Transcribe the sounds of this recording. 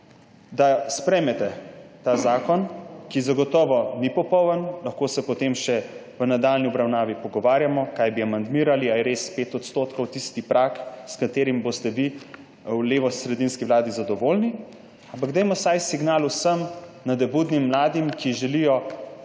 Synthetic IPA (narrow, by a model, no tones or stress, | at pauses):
d̪aspɾɛjmɛt̪ɛt̪aːzaːkɔnkizaɡɔt̪ɔːʋɔnipɔpɔwʋənlaxkoːsɛpɔt̪eːmʃɛ | ʋənad̪aːlniɔbɾawnaːʋipɔɡɔʋaːɾjamɔkajbiamand̪miːɾaliajɛɾespeːt̪ɔt̪st̪oːt̪kɔwt̪ist̪ipɾakskat̪eːɾimbost̪ɛʋi | leːʋɔsɾɛd̪inskiʋlaːd̪izad̪ɔʋoːlni | ampaɡd̪ɛjmɔsajsiɡnaːlusəmnad̪ɛbuːd̪nimːlaːd̪imkʰiʒɛlijɔ